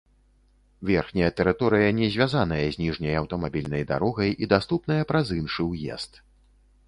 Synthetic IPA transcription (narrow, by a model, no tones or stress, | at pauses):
vʲɛrxnʲɐjɐt̪ɛɾɨt̪ɔɾɨjɐnʲɛzʲvʲazan̪ɐjɐzʲnʲiʐnʲɐjawt̪ɐmabʲilʲnɐjd̪a̰ɾɔɣɐjid̪ast̪upnɐjɐpɾazɨnʂɨwjɛ̰st̪